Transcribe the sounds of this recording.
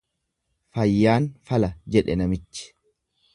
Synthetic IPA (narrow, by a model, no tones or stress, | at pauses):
fɐjːaːnfɐlɐd͡ʒɛᶑɛnɐmɪt͡ʃːɪ̥